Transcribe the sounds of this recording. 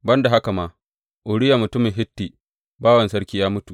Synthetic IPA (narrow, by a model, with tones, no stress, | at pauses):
bɐ˦nda˨ɦa˦ka˨maː˦ | ʔʊ˨ɽɪ˦jaː˨mʊ˨tʊ˦mɪ˨ŋɦɪ˦tːiː˨ | baː˦wɐ˨nsɐ˦ɽkʲiː˦jaː˦mʊ˦tu˨